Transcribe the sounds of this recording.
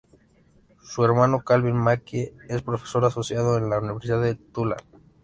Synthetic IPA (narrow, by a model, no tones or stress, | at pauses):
sue̞ɾmano̞kalβinmakeespɾo̞feso̞ɾaso̞sjaðoenlauniβeɾsiðaðet̪ula̰